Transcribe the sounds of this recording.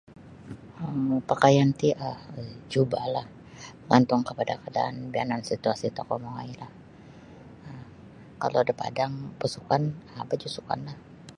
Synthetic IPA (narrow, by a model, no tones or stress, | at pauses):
əpəkajant̪iʔahd͡ʒubalah | əŋant̪ʊŋkəpadakada̰ːnbia̰nansit̪uasit̪okomoŋa̰ilah | ə | ka̰lodəpa̰daŋpasukanabad͡ʒusuka̰nlah